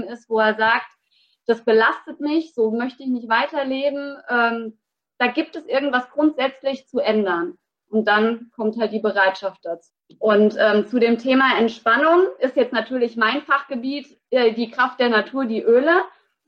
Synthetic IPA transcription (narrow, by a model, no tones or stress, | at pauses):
ɪstv̥oːeːɐzaːk̚t | d̥asb̥əlastətmɪçz̥oːmœçtəɪçnɪçtv̥aɪtɐleːbm̩ʔɛːm | d̥aːɡiːp̚tɛsʔɪɐɡŋ̩tv̥asɡ̥ʁʊntz̥ɛt͡slɪçt͡suʔɛndɐn | ʔʊnt̚d̥ankʰɔmthalt̚d̥iːbəʁaɪtʃaft̚d̥at͡suː | ʔʊntʔɛːmt͡sudeːmtʰeːmaɛntʃpanʊŋʔɪstjɛt͡stnatʰyːɐlɪçmaɪnfaχɡ̥əbiːt | ɛːdiːkʁ̥aft̚d̥eːɐnatʰuːɐdiːʔøːlə